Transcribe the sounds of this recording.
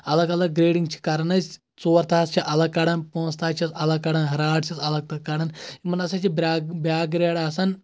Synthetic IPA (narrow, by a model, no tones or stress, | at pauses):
ɐlɐɡɐlɐɡ̚ɡɾeːɽiŋɡt͡ʃʰi̥kɐɾɐnɐzʲ | t͡soːɾt̪ʰaːst͡ʃʰiʔɐlɐɡ̚kːɐɽɐnpõːnst̪ʰaːt͡ʃʰisɐlɐkkːɐɽɐnɦɐɾaːʈt͡ʃʰisɐlɐɡ̚t̪ɐkːɐɽɐnimɐnɐsɐt͡ʃʰibabaːk̚ɡɾeːɽaːsɐn